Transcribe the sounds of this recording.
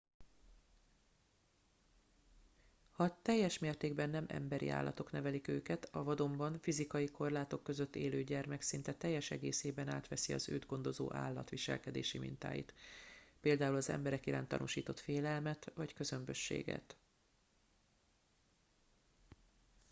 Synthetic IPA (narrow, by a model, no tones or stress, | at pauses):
hɒt̪ɛjːɛʃmeːrt̪eːɡbɛnːɛmʔɛ̰mbɛɾḭʔa̰ːlːʔɒ̰t̪o̞knɛvɛlikøːkɛt̪ɒvɒd̪o̞mbɒɱfizikɒjiko̞rlaːt̪o̞kːø̞zøt̪ːeːløːɟɛrmɛksin̪t̪ɛt̪ɛjːɛʃɛɡeːseːbɛnaːt̪ʋɛsiɒ̰zø̰ːd̪ɡo̞nd̪o̞zo̰ːʔa̰ːlːɒ̰t̪ʋiʃɛ̰lkɛd̪ḛːʃimḭnt̪a̰ːjḭt̪peːld̪aːulɒzɛ̰mbɛɾɛkiɾaːnt̪ːɒ̰nuʃiːt̪o̞t̪feːlɛlmɛt̪vɒckø̞zø̞mbø̞ʃːḛːɡɛ̰t̪